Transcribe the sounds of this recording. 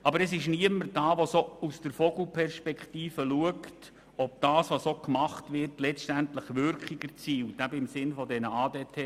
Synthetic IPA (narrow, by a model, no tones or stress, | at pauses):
ʔɑbəɾɛsɪʃniəmərd̥ɑːʋosousd̥əɾfɔɡ̥l̩pʰɛrʃpɛkχtiːfəluəkt | ɔp̚d̥ɑːsʋosokmɑχtʋɪrtlɛstæntləχʋʏɾkχiɡ̥əɾt͡siːltæbəɪmsɪnfɔdɛnəɑːdeːtʰeː